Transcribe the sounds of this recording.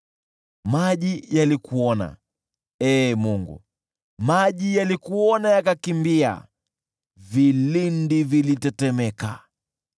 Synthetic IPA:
maʄijalikuɔna̰ | ɛːmuŋɡṵ | maʄijalikuɔnajakakimbia̰ | vilindivilitɛtɛmɛka̰

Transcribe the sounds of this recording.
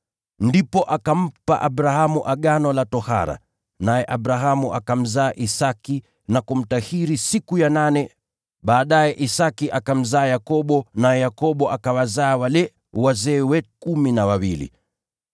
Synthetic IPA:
ndipɔʔakam̩pa̰ʔaɓɾahamuʔaɠanɔlatɔha̰ɾa̰ | najɛʔaɓɾaɦamuʔakam̩zaːʔisaki | nakum̩tahiɾisikujananɛ | ɓaːɗajɛʔisakiʔakam̩zaːjakɔɓɔnajɛjakɔɓɔʔakawazaːwalɛ | wazɛːwɛkuminawawilḭ

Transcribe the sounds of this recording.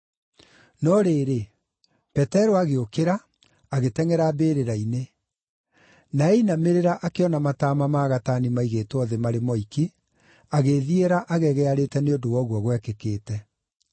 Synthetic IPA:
nɔɾeːɾe | pɛtɛɾoaɣeokeɾa | aɣetɛŋɛɾabeːɾeɾaine | naɛinameɾeɾaʔakeɔnamataːmamaɣatanimaiɣeːtwɔðɛmaɾemɔiki | aɣeðieɾaʔaɣɛɣɛaɾetɛneondowɔɣwɔɣwɛkekeːtɛ

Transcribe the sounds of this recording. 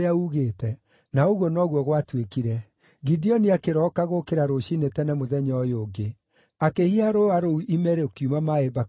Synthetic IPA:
auɣeːtɛ | naoɣwɔnɔɣwɔɣwatwekiɾɛ | ɡidiɔniakeɾɔkaɣokeɾaɾoɕinetɛnamoðɛɲɔjoːɡe | akehiaɾoaɾouʔimɛɾeokiumamaeba

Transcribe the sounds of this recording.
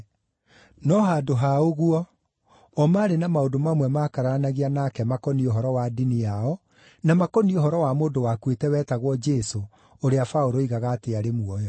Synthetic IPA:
nɔɦadoɦaoɣuɔ | ɔmaːɾenamaodomamwɛmaːkaɾanaɣianakɛmakɔnioɦɔɾɔwadiniaɔ | namakɔnioɦɔɾɔwamoːdowakwetɛwɛːtaɣwɔd͡ʒɛso | oɾeafaoɾoiɣaɣaːteaɾemuɔjɔ

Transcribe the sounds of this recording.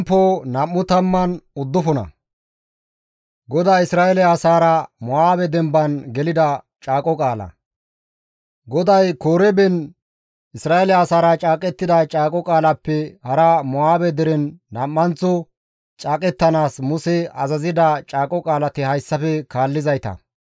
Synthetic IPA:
pːoːnɐmːʊt̪ɐmːɐnʊd̪ːʊfɔnɐ̰ | ɡɔd̪aːɪsɾaːʔɛlɛasaːɾɐmɔaːbɛd̪ɛmbɐnɡɛlɪd̪ɐ | t͡ʃʼaːkʼɔkʼaːlɐ̰ | ɡɔd̪ɐjkoːɾɛbɛn | ɪsɾaːʔɛlɛaːsaːɾɐt͡ʃʼaːkʼɛt̪ːɪd̪ɐt͡ʃʼaːkʼɔkʼaːlɐpːɛhɐɾɐmɔaːbɛd̪ɛɾɛnːɐmːɐnt͡sʊ | t͡ʃʼaːkʼɛt̪ːɐnaːsmʊsɛɐzɐzɪd̪ɐt͡ʃʼaːkʼɔkʼaːlɐt̪ɪhɐjsːɐfɛkaːlːɪzɐjt̪ɐ̰

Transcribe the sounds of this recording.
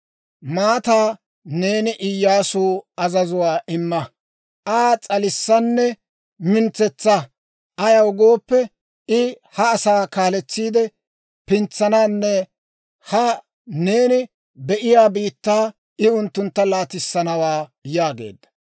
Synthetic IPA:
maːt̪aː | ne̞ːnɪʔɪjːaːsuːɐzɐzʊwaːʔɪmːɐ | ʔaːt͡sʼɐlɪsːɐnːɛ | mɪnt͡sɛt͡sːɐ | ʔɐjɐwʊɡo̞ːpːɛ | ɪ | hɐːsaːkaːlɛt͡sːiːd̪ɛ | pɪnt͡sːɐnaːnːɛ | hɐ | ne̞ːnɪ | bɛʔɪjaːbiːt̪ːaː | ɪʊnt̪ːʊnt̪ːɐlaːt̪ɪsːɐnɐwaːjaːɡe̞̰ːd̪ːɐ̥

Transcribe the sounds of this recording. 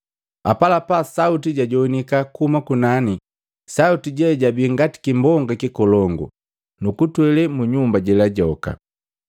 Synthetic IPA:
a̰palapasautiɟaɟɔnikakuhumakunani | sautiɟɛɟabiŋɡati̥kimbɔŋɡakikɔlɔŋɡṵ | nukutwɛlɛmuɲumbaɟɛlaɟɔka̰

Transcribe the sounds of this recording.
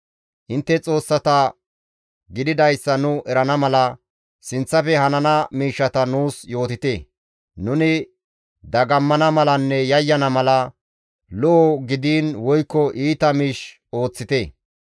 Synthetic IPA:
ʔɪnt̪ːɛt͡sʼo̞ːsːɐt̪ɐ | ɡɪd̪ɪd̪ɐjsːɐnʊʔɛɾɐnɐmɐlɐ | sɪnt͡sːɐfɛhɐnɐnɐmiːʃːɐt̪ɐnuːsjo̞ːt̪ɪt̪e | nʊnɪ | d̪ɐɡɐmːɐnɐmɐlɐnːɛjɐjːɐnɐmɐlɐ | lɔʔɔɡɪd̪iːnwɔjkːɔʔiːt̪ɐmiːʃ | o̞ːt͡sːɪt̪e

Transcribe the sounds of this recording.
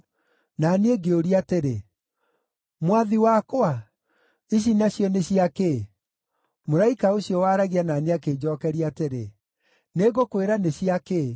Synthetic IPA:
nanieɡeoɾiateɾe | mwaðiwakoa | iɕ̬inaɕjɔneɕiake | moɾaikaoɕjɔwaɾaɣiananeakeːd͡ʑɔkɛɾiateɾḛ | neɣokweɾaneɕiake

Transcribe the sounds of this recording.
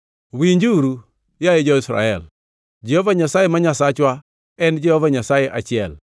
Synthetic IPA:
wiɲd͡ʒuɾu | jajɪd͡ʒɔisɾa̰ɛl | d͡ʒijɔvaɲasajɪmaɲasat͡ʃwa | ɛnd͡ʒijɔvaɲasajɪʔa̰t͡ʃɛl

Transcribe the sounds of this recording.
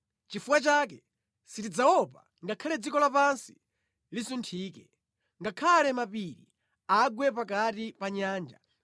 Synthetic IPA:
t͡ʃifuwat͡ʃaːkɛ | sitid͡zawɔpa | ŋɡakʰalɛd͡zikɔlapansi̥ | lisuntʰiːkɛ | ŋɡakʰalɛmapiɾḭ | aɡwɛpakatipaɲaːnd͡ʒa̰

